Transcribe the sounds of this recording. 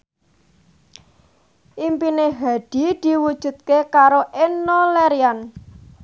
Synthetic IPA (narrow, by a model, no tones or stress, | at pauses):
ʔimpineɦa̤d̪̥i̤d̪̥i̤wud̥ʒ̥ṳt̪̚kekaɾoʔɪnːɔleɾian